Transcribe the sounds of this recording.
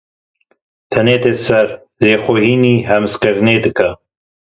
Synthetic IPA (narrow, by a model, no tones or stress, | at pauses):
t̪ʰɐneːt̪esɐɾ | zeːxohiːniːɦɐmɨskɨɾneːd̪ɨkɐ